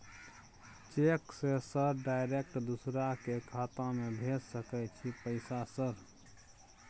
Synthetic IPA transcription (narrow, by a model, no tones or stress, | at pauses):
t͡ʃeksesəɾɖajɾek̚ʈd̪usɾakekʰat̪amebʱessəkɛt͡ʃʰipəɪsasəɾ